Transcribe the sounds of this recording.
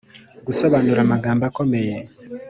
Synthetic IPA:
ɡusoβanuɾamaɡaːmbakomeje

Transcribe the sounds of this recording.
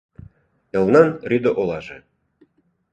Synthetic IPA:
ɤ̆lnɑnrʲyd̪oʔolˠɑʒĕ

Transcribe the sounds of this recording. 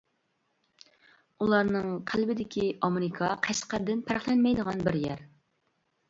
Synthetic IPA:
ulˠɑɾnɨŋqʰælbɪd̪ɪkʲiʔɑmeɾɪkʰɑqʰæsqæɾd̪ɪnpʰæɾχlˠɪnmɛjd̪əʁɑnbɪɾjɛ̰ɾ

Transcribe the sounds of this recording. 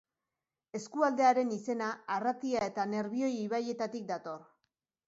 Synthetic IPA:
e̞skuald̪e̞aɾe̞nise̞naːrat̪iae̞t̪ane̞ɾβio̞jiβaje̞t̪at̪ik̚d̪at̪o̞r

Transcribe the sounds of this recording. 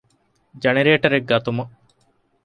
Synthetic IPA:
d͡ʒɐneɾeːʈɐɾeɡɡɐt̪umɐ

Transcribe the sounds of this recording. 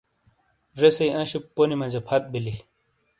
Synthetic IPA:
ɾesɐiɐ̃ɕupːonimɐ̃d͡ʑɐpʰɐt̪̚bili

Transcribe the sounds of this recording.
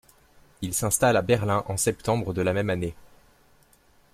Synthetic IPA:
ilsɛ̃st̪alabɛʁlɛ̃ʔɑ̃sɛpt̪ɑ̃bʁəd̪əlamɛmane

